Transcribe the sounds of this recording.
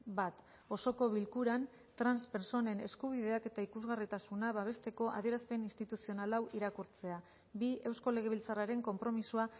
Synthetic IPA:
bat̪ | o̞so̞ko̞βilkuɾan | t̪ɾanspe̞ɾso̞ne̞ne̞skuβ̞iðe̞ake̞t̪aikuzɣarit̪asunaβaβ̞e̞st̪e̞ko̞ʔa̰ð̞ie̞ɾaspe̞ninst̪it̪usio̞nalawʔiɾakuɾt͡se̞a | bie̞wsko̞le̞ɣ̞e̞βilt͡saraɾe̞ŋko̞mpɾo̞misua

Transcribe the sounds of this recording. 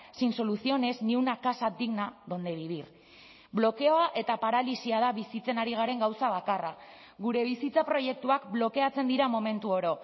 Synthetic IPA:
sinso̞luθio̞ne̞zniwnakasad̪iɣnaðond̪e̞β̞iβir | blo̞ke̞o̞aʔe̞t̪apaɾalisiað̞aβisit͡se̞naɾiɣ̞aɾe̞ŋɡawsaβ̞akara | ɣuɾe̞β̞isit͡sapɾo̞je̞k̚t̪uakblo̞ke̞at͡se̞nd̪iɾamo̞me̞nt̪uo̞ɾo̞

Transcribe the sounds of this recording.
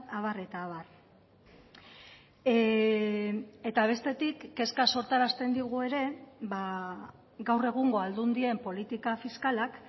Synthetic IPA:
aβ̞are̞t̪aːβar | e̞t̪aβ̞e̞st̪e̞t̪ikːe̞skaso̞ɾt̪aɾast̪e̞nd̪iɣ̞ue̞ɾe̞βa | ɡawre̞ɣ̞uŋɡo̞ald̪und̪ie̞mpo̞lit̪ikafiskalak

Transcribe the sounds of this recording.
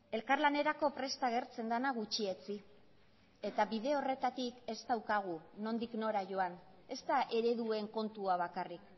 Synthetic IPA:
e̞lkarlane̞ɾako̞pɾe̞st̪aɣ̞e̞ɾt͡se̞nd̪anaɣ̞ut͡ʃie̞t͡si | e̞t̪aβið̞e̞o̞re̞t̪at̪ike̞st̪awkaɣ̞uno̞nd̪ikno̞ɾaʝo̞an | e̞st̪aʔe̞ɾe̞ðue̞ŋko̞nt̪uaβ̞akarik

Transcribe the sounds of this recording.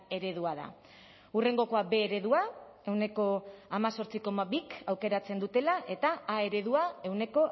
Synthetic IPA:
e̞ɾe̞ðuaða̰ | ure̞ŋɡo̞ko̞abe̞ːɾe̞ðua | e̞wne̞ko̞amaso̞ɾt͡siko̞maβikawke̞ɾat͡se̞nd̪ut̪e̞laʔe̞t̪aːe̞ɾe̞ð̞uae̞wne̞ko̞

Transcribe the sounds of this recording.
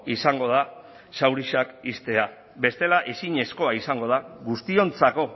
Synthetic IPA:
isaŋɡo̞ð̞a | sawɾiʃakist̪e̞a | be̞st̪e̞laʔe̞siɲe̞sko̞aisaŋɡo̞ð̞aɡust̪io̞nt͡sako̞

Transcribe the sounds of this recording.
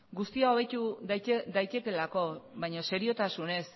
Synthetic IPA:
ɡust̪iao̞βe̞t̪ud̪ajt̪e̞ke̞lako̞βajɲo̞se̞ɾio̞t̪asune̞s

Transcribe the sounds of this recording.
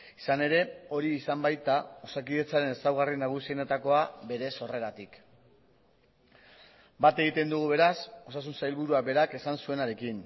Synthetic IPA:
isane̞ɾe̞o̞ɾiːsambajt̪ao̞sakiðe̞t͡saɾe̞ne̞sawɣarinaɣ̞usinet̪ako̞abe̞ɾe̞so̞re̞ɾat̪ik | bat̪e̞ɣit̪e̞nd̪uɣ̞uβe̞ɾaso̞sasunsajlβuɾuabe̞ɾake̞sansue̞naɾe̞kin

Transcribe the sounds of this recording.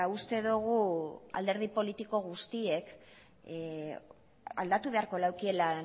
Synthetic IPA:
aust̪e̞ðuɣua̰ld̪e̞ɾð̞ipo̞lit̪iko̞ɣust̪ie̞k | a̰ld̪at̪uβe̞aɾko̞lawkie̞la

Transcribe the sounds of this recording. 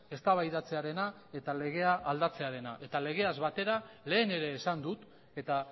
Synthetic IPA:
e̞st̪aβajðat͡se̞aɾe̞na | e̞t̪ale̞ɣ̞e̞aʔːld̪at͡se̞aɾe̞naʔe̞t̪ale̞ɣ̞e̞azβat̪e̞ɾale̞ːne̞ɾe̞ːsand̪ut̪ | e̞t̪a

